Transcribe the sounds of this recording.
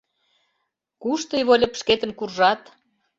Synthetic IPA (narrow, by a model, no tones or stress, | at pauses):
kuʃt̪ɤjβolʲə̆pʃket̪ə̆nkurʒɑt̪